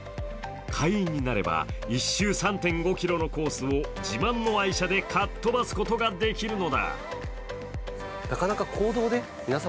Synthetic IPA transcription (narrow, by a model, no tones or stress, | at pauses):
kʰaiĩɲ̟ːinaɾe̞̰ba̰iɕːɨːsãnt̪ẽ̞ŋɡo̞kʲiɾo̞no̞ko̞ːsɨo̞d͡ʑimãnːo̞aiɕad̪e̞kʰat̪ːo̞basɨ̥ko̞t̪o̞ɡad̪e̞kʲiɾɯ̟no̞d̪a̰ | nakanakakʰo̞ːd̪o̞ːd̪e̞ | mʲinasa